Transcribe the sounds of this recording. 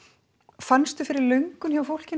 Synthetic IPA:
fanst̪ʏfɪɾɪɾlœɥŋkʏnçjavafowl̥cɪn

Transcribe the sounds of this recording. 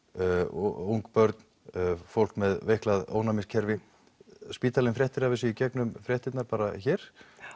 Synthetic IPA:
uwŋkpœɾt̪n | fowl̥kmɛðvejhklaðo̰ːwnamɪscʰɛɾvɪ | spiːt̪alɪnfɾjɛht̪ɪɾavɪsɪicɛknʏmfɾjɛht̪ɪt̪naɾpaːɾa̰çɛːɾ̥

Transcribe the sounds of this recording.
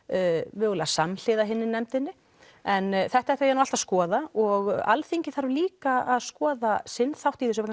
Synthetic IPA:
vɪɣlasaml̥ɪːðaɦɪnːɪnɛmt̪ɪnːɪ | ɛnθɛht̪aɛht̪ajɛnuwal̥t̪askɔːðaɔɣa̰lθiɲcɪθaɾliːkaaðskɔːðasɪnθawht̪iθɛs̬ʏpɾ

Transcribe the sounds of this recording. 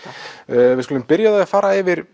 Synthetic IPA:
vɪskølʏmpɪɾjaðɛafaːɾaɛvɪɾ̥

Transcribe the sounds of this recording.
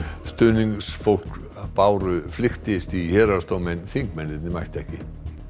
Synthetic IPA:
st̪ʏːniŋksfowl̥k | paːwɾʏflɪxt̪ɪst̪ihɛːɾḁst̪oːwmɛnθiŋkmɛnːɪt̪nɪmajht̪ɛhcɪ

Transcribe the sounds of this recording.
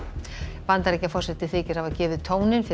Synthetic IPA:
vant̪aɾɛhcafɔrsɛt̪ːɪθɪːcɪɾ̥havacɛːvʏðt̪ʰoːwnɪnfɪ

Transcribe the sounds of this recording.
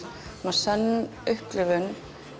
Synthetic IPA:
mḁsɛnː | ʏhplɪvʏn

